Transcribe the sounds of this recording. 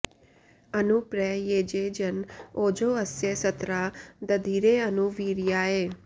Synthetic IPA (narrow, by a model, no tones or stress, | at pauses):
ənupɾɛjeːd͡ʒed͡ʒənoːd͡ʒoːəsjesət̪ɾad̪əd̪ʱiɾeənuʋiːɾjaːeː